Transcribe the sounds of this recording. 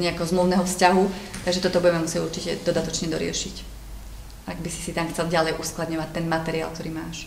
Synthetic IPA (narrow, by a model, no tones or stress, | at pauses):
ɲɛakɛɦɔzmluʊnɛɦɔfscaɦut̪aɡʒɛt̪ɔt̪ɔbuɟɛmɛmusɪɛɟuɾt͡ʃicɛd̪ɔd̪at̪ɔt͡ʃɲɛd̪ɔɾɪɛ̰ʃic | ʔaɡbisi̥sit̪amxt͡sɛlɟalɛjʔusklad̪ɲɔʋac̚t̪ɛnmat̪ɛɾia̰lˠk̚t̪ɔɾiːmaːʃ